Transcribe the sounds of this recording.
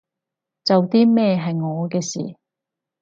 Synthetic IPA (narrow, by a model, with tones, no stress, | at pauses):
t͡sɐ˨wt̪iː˥mɛː˥˧ɦɐ˨jŋɔː˨˧kɛː˧sḭː˨˩